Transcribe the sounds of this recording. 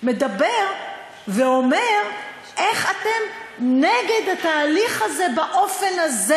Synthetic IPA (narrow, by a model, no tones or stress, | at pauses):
med̪abeʁ | veo̞meʁ | ʔeχat̪e̞mneɡe̞d̪ataːliχaze̞baʔo̞fe̞naze